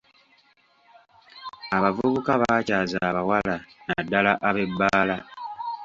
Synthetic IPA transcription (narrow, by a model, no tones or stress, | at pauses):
aβavuβukaβacaːzaːβawalanadːalaʔaβe̞bːaːla